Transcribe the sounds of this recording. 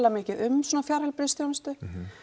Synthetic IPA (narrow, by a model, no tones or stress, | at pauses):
lamɪːcɪðʏmsɔːnafjaɾhɛlpɾɪst̪θjownɪst̪ʏ